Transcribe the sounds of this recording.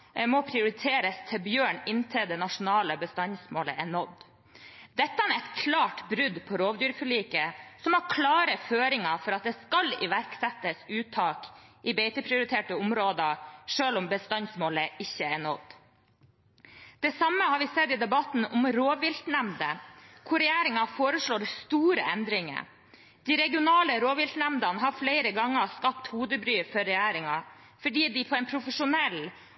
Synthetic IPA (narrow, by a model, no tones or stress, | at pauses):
mɔpʰɾɪʊɾɪt̪ʰeːɾəst̪ʰɪlbjøːɳɪnt̪ʰəd̪ɛnɑʂʊnɑːləbəst̪ɑnsmoːləʔæɳɔd̪ | d̪ɛt̪ːənɾɛt̪kʰlɑːʈbɾʉd̪pʰɔɾoːʋd̪yːɾfɔɭiːkəsɔmɑɾkʰlɑːɾəføːɾɪŋɑfɔɾɑt̪̚d̪ɛːskɑlɪ̰ʋæɾksɛt̪ːəsʉːt̪ʰɑːkʔɪbeɪt̪əpʰɾɪʊɾɪt̪ʰeːʈəʊmɾoːd̪əʂøːlʊmbəst̪ɑnsmoːləɪçːəæɳɔd̪̥ | d̪̥ɛsɑmːəhɑːɾʋɪsɛd̪ɪd̪ɛbɑt̪n̩ʊmɾoːʋɪlt̪nɛmnd̪əkʰʊɾɛjæːɾɪŋɑfoːɾəʂɭoːɾɛst̪uːɾəɛnd̪ɾɪŋə̰ | d̪̥ɪɾɛɡɪʊnɑːləɾoːʋɪlt̪næmd̪ɑnɦɑɾfleɪɾəɡɑŋːəskɑpt̪huːd̪əbɾyːfɔɾːɛjæːɾɪŋɑ | fɔɖiːd̪ɪpʰɔɛnpʰɾʊfəʂʊnɛl